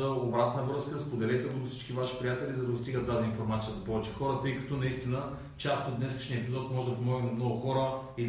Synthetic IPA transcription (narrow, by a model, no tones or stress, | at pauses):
əobɾat̪nəvɾɤskəspod̪ɛlɛjt̪ɛɡod̪ofsi̥t͡ʃkivaʃi̥pɾijat̪ɛlʲizɐd̪ɐd̪ost̪iɡət̪ːaziinfoɾmat̪sijəzɐpɔvɛt͡ʃɛ̥xɔɾət̪ɤjkɐ̥t̪ɔnɐist̪inə | t͡ʃast̪od̪ːnɛskə̥ʃniɛpizɔt̪̚mɔʒɛd̪ɐpomɔɡnimmnɔɡʊxɔɾə | i